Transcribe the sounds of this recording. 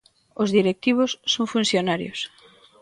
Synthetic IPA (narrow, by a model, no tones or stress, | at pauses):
ozðiɾek̚t̪iβ̞ʊsːoŋfunθjonaɾjo̰s